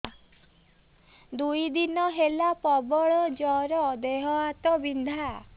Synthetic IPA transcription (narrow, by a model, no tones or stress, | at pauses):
d̪ujd̪inɔɦelapɔbɔɭɔd͡ʒɔɾɔːd̪eɦɔat̪ɔbind̪ʱa